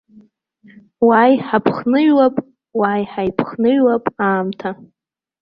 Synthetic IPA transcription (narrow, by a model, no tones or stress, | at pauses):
wajħapʰχnɨɥwapʼ | wajħajpʰχnɨɥwapʼaːmtʰa